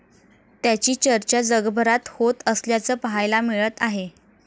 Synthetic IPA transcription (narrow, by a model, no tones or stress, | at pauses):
t̪jat͡ɕiːt͡ɕəɾt͡ɕad͡zəɡbʱəɾat̪hot̪əsljat͡səːpəɦajlamiɭət̪aɦe